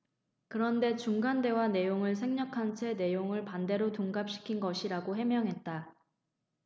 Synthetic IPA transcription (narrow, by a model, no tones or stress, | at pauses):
kɯɾʌnde̞t͡ɕuŋɡande̞wane̞joŋɯɭs̬ʰe̞ŋɲʌkʰant͡ɕʰe̞ne̞joŋɯɭpande̞ɾotoŋɡap̚ɕ͈i̥kʰinɡʌɕʰiɾaɡoɦe̞mjʌŋɦe̞t̚t͈a